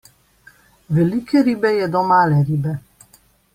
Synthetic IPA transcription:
ʋɛlikɛɾiːbɛjɛd̪ɔmaːlɛɾiːbɛ

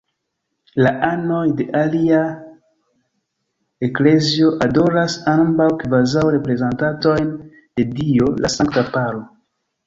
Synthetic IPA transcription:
laʔano̞jde̞ʔalia | ekle̞zio̞ʔado̞ɾasanmbawkvazawɾe̞pɾe̞zentato̞jn | de̞dio̞lasaŋktapaɾo

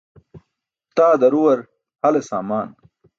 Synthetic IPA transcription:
t̪aːd̪ɐɾuwɐɾ | hɐlesa̰ːmaːn

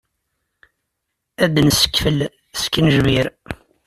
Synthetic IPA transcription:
æd̪ənsə̥kːfəl | sə̥kːənʒmiɾ

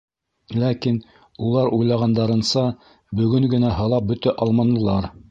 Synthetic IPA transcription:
lækin | ulˠɑɾujlˠɑʁɑnd̪ɑɾɤ̆nsɑ | bɵ̆ɡɵŋɡɘ̆næɦɤ̆lˠɑp̚bɵ̆t̪æʔɑlˠmɑnɤ̆lˠɑɾ

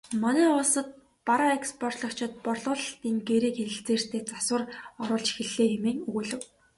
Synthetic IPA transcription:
mɔnæːʊːsə̆t̪̚ | paɾɔekspʰɔr̥t̪ɮɞ̆kt͡ɕʰɪ̆t̪̚pɔrɮʊ̆ːɮt̪iːŋɡeɾiːkxeɘ̆ɬt͡seːr̥t̪ʰeːt͡saswə̆rɔɾʊːɮt͡ɕxĕɮːeːjimeːŋɵɣŭɮɘ̆w

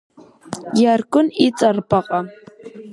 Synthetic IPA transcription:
jaɾkʊnɪt͡sɑɾpɑɢɑ

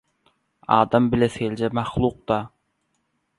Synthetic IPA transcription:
ɑːd̪ɑmbɪlɛseld͡ʒɛmɑχlˠuq̚d̪ɑ

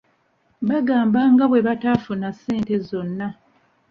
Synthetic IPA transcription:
βaɡaːmbaŋɡaβwe̞βataːfunasːe̞ːnte̞zo̞nːa

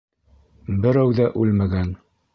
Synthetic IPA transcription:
bɘ̆ɾæwðæʔʉlmæɡæn

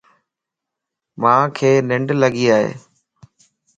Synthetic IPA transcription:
mãːkʰeːnɪ̃ɳɖləɡiːaːɦḛː

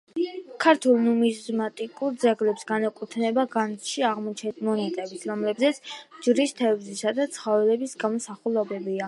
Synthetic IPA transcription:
kʰaɾt̪ʰulˠnumizmat̪ʼikʼuɾd̪zɛɡlɛpsɡanakʼut̪ʰnɛbaɡansʃiaʁmɔt͡ʃʰɛmɔnɛt̪ʼɛbit̪sʰɾɔmlɛbzɛt̪sʰd͡ʒɾist̪ʰɛvzisad̪at̪sʰχɔvɛlɛbisɡamɔsaχulˠɔbɛbia

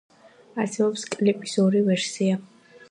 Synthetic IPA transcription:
asɛbɔpskʼlipʼi̥sɔɾivɛɾsia

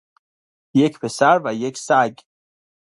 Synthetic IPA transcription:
jecʰpʰesæɾvæjekʰsæɡ

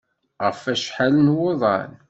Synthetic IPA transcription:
ʁəfæʃħalənwoðˤɑ̰n

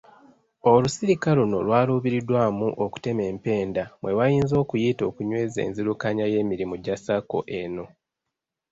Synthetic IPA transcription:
o̞lusiɾikaluno̞̰lwaːluːβiɾidwaːmuʔoku̥te̞me̞ːmpe̞ːndamwe̞wajiːnzo̞ːkujito̞ːkuɲwe̞ːze̞̰ːnziɾukaɲaje̞ːmiɾimuɟasako̞̰ʔeno̞

